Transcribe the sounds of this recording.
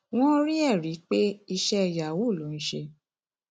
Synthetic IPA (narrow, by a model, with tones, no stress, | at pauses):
w̃ɔ̃˦ɾi˦ɛ˦˨ɾi˨˦k͡pe˦i˧ʃɛ˦i˧˨ja˨wu˦˨lo˨˦ñ̩˦ʃe˧